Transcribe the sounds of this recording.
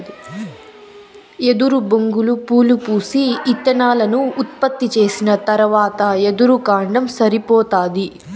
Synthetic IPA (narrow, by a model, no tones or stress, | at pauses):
e̞d̪uɾuboŋɡulupuːlupuːsiːt̪ːɐnaːlɐnuːt̪̚pɐt̪ːit͡ʃe̞ːsinɐt̪ɐɾʋaːt̪ɐed̪uɾukaːɳɖɐmsɐɾipɔːt̪aːd̪i